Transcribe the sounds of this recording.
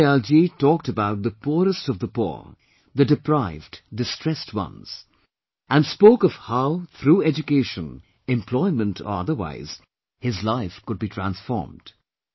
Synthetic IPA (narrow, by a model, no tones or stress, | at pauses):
ɛlˠd͡ʒitɔk̚təbaʊt̪̚ðəpʰuɾəstʌvðəpṵɹ | ðɨdɨpʰɹaɪvddɨstʰɹ̥ɛstwʌ̰̃nz̥ | æ̃nspoʊkʌv̥haʊθʰɾuːɛd͡ʒɨkeɪʃə̃n | ɛ̃mpʰl̥ɔɪmə̃ntʰə̰ʌ̰ðə˞wa̰ɪz̥ | hɪzlaɪfkʊd̚bitʰɹ̥æ̃nsfɔ̰ːɹmd̥